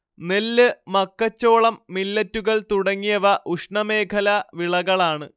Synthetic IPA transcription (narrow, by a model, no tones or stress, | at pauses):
nelːɨmɐkːɐt͡ɕːo̞ːɭɐmːilːɐtːuɣɐɭt̪uɽɐŋːijɐʋɐʔuʂɳɐme̞ːkʰɐlɐʋiɭɐɣɐɭaːɳɨ